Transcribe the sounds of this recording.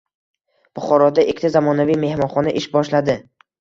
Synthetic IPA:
b̥ʊχɒɾɒd̪aʔekʲʰːt̪ʰazamɒnavijme̞hmɒnχɒnaʔɪʃbɒʃlad̪ɪ

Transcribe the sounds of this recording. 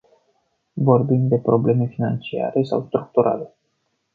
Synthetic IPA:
vo̞rbimd̪e̞pɾo̞ble̞me̞finant͡ʃia̰ɾe̞sa̰wst̪ɾuk̚t̪uɾa̰le̞

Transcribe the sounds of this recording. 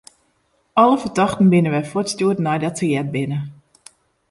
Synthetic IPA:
ɔləfərdɑxtn̩bɪnəʋɛjfotstuətnɛjdɔtəjɛd̚bɪnə

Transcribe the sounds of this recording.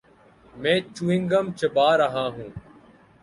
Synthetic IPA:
mẽːt͡ʃuːɪ̃ŋɡəmt͡ʃəbaːɾəɦãːɦũː

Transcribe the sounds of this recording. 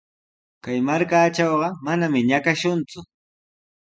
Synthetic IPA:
kajmaɾkaːʈ͡ʂɑwɢɑmanamɪɲakaʃʊnt͡sʊ

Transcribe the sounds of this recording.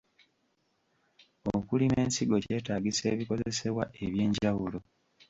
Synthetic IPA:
okulime̞ːnsiɡo̞ce̞ːtaːɡise̞̰ːβiko̞ze̞se̞βwaʔe̞βje̞ːɲɟawulo̞

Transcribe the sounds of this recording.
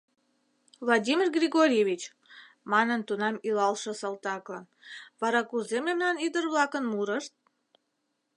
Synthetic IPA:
vlɑd̪ʲimʲirɡrʲiɡoɾʲeβʲit͡ɕ | mɑnənt̪unɑmilɑlʃə̆səlt̪ɑklɤn | βɑɾɑkuzememnɑnid̪ərβlɑkənmuɾəʃt̪̚

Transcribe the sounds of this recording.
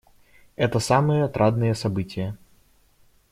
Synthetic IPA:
ɛt̪ɐsamɨjɛt̪ɾʔad̪nɨjɛsɐbɨtʲɪjɐ

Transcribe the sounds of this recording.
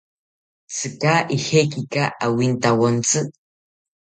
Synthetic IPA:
t͡sʰɨkaʔixekikaʔawint̪awont͡sɨ

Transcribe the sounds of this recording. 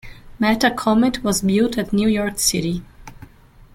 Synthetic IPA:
mætəkʰɔmɪtʰwʌzbɪltɨtnjujɔɹksɪɾi

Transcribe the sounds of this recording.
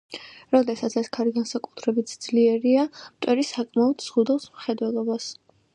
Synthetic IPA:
ɾɔd̪ɛsat̪sʰɛskʰaɾiɡansakʼu̥t̪ʰɾɛbit̪sʰd̪zliɛɾiamt̪ʼwɛɾisakʼmaɔd̪z̥ʁud̪ɛlˠsmχɛd̪wɛlˠɔbas

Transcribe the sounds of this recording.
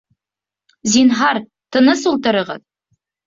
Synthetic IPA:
zinɦɑɾ | t̪ʰə̆nəsulˠt̪əɾəʁə̰ð

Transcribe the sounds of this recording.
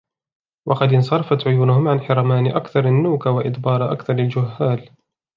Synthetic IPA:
wʔɑqɑd̪ɪns̬ˤɑɾˤɑfat̪ʕʊjuːnʊhʊmʕanħɑɾˤɑmaːnɪʔakθɑɾˤanːuːkawaʔɪd̪bɑːɾˤʔa̰kθɑɾˤald͡ʒʊhːaːl

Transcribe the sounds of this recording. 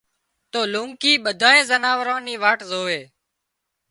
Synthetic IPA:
t̪oːlũːŋkiːɓəd̪ʱaːẽːzənaːʋɾãːniːʋaːʈzoːʋeː

